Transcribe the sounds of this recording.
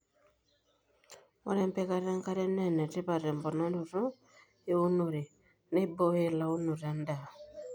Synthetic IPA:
mo̰˦ɾɛ˦mpɛ˦ka˦˨ɾa˦ŋ˦ka˦ɾɛ˦nɛ˦˨nɛ˨te˦pa˨ɾɛ˨m˨bɔ˨na˦ɾu˨ɾɔ˦ | e˦u˦nu˨ɾi˨ | ne˦bo˦e˦˨la˦u˦no˨ɾa˨˦nda˨

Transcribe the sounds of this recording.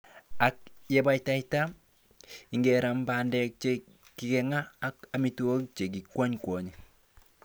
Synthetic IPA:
a˨k̚je˨ba˦jta˦ɪta˦ | ɪ˨ŋɡɛ˨ɾa˨mba˨ndɛ˦k̚t͡ʃe˦ | ki˨kɛ˨ŋaː˦ka˨mi˨˦tu˦o˦k̚t͡ʃe˨k̬i˨kwɔ˦ɲkwɔ˨ɲe˨

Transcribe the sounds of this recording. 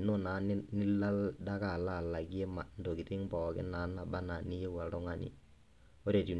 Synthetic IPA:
no˦na˨˦n˦nɪ˦la˦lda˦ka˦˨la˦˨la˨ki˦e˦ma˨n˨do˨ki˨tɪ˦ŋpɔ˨kɪ̰˦na˨˦na˨ba˦na˨ni˦je˦wa˨tɔ˦ŋa˦nḭ˨ | o˦ɾe˨ti˨

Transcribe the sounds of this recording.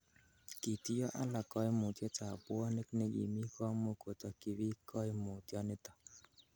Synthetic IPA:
kɪ˨ti˦jɔ˦ʔa˦la˨kɔ˦ɪ˦mu˨tjɛ˦t͡ʃa˨pʊ˦ɔ˦ne˦kne˦ɡḭ˨mi˦kɔ˦mo˦ko˨t̪ɔ˨kɪ˨wɪ˦kʰɔ˦ɪ˦mo˨tjɔ˦nɪ˦t̪ɔ̥˨

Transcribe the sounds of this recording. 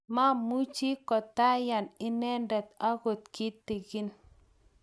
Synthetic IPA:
ma˦mu˦t͡ʃi˦kɔ˨ta˦ja˨nɪ˦nɛ˦ndɛ˨t̪a˦ɣo˨t̪̚ki˦ti˨ɡi˦n

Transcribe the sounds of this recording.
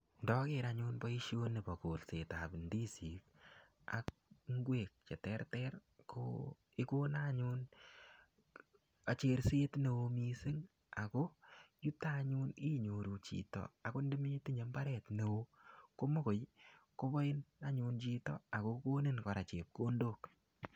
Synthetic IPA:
ndɔ˦keɾaɲuːnbɔ˦i˦ʃjo˦ni˨pɔ˨ko˨lse˨tabndi˦si˨k̚ | a̰k̚ŋɡweː˨k̚t͡ʃɛ˨tɛrtɛrkʰo̰˦ | i˦koː˦naɲu˦n | a˨t͡ʃe˨ɾseː˦tne˧wo˧misɪ˦ŋ | a˨ko˦ju˦taɲu˦ni˦ɲo˨ɾu˨t͡ʃḭ˨tɔ̰˨a˨ko˦ndi˦mi˦ti˦ɲe˨˦mba˦ɾɛtne˨wo˦ko˦mo˦ko˨jko˦bɔ˦ɪ˦na˦ɲu˧nt͡ʃi˧tɔ̰˦a˨ko˦koː˦ni˦nkɔ˨ɾa˨t͡ʃeː˨p̚ko˦ndoː˨k

